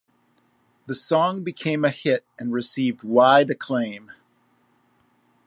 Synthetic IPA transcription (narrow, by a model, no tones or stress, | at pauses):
ðɨsɔ̃ŋbɨkʰẽɪ̃mɨhɪɾ̚ɨ̃nɹɨsivd̚waɪɾɨkʰl̥ẽɪ̃m